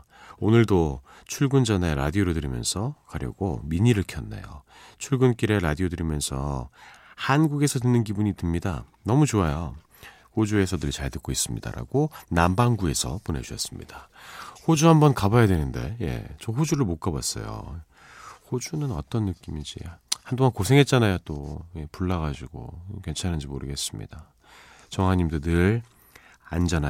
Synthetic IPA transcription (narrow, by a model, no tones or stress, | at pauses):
onɯɭdo | t͡ɕʰuɭɡund͡ʑaneɾa̰dioɾodɯɾimjʌ̰nsʰʌkaɾjʌ̰ɡo̰miɲiɾɯɭkʰjʌnːa̰jo̰ | t͡ɕʰuɭɡunk͈iɾeɾadiodɯɾimjʌnsʰʌ̰ | hanɡuɡe̞sʰʌdɯnːɯnkibuɲitɯmɲida̰ | nʌmut͡ɕoajo | hod͡ʑue̞sʰʌnɯɭt͡ɕaɭtɯk͈ois͈ɯmɲida̰ɾa̰ɡ̥onambaŋɡue̞sʰʌ̰pone̞t͡ɕuʌ̰s͈ɯ̥mɲḭd̥ahod͡ʑuɦambʌnkabajadwe̞nɯnde̞̰je̞̰t͡ɕʌɦod͡ʑuɾɯɭmok͈abas͈ʌ̰jo̰ | hod͡ʑunɯnʌ̰t͈ʌnːɯk͈imid͡ʑḭhandoŋankosʰe̞ŋɦe̞t̚t͡ɕ͈anajot͈oje̞puɭːaɣad͡ʑiɡ̥o̰oke̞nt͡ɕʰanɯnd͡ʑimoɾɯɡe̞s͈ɯmɲḭd̥a | t͡ɕʌŋɦaɲimdɯnɯɭ | a̰nd͡ʑʌna